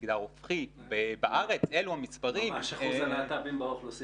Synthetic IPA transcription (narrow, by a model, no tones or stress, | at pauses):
ɡd̪aʁofχitbebaʔaʁe̞t͡seluhamispaʁimaʃaχuzalaːtabimbaoflosi